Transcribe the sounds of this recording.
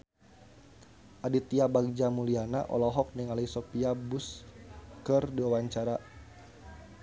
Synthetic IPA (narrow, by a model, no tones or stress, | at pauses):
ʔadit̪iabaɡ̚d͡ʒamuliana̰ʔɔ̰lɔɦɔk̚niŋalisɔpiabus | kərdiwawaɲt͡ʃaɾa